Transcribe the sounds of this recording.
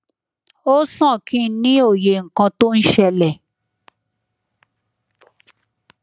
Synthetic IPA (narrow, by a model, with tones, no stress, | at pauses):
o˦sã˦˨kĩ˦nĩ˦o˦˨je˨ŋ̩˨kã˧to˦n̩˦ʃɛ˧lɛ˨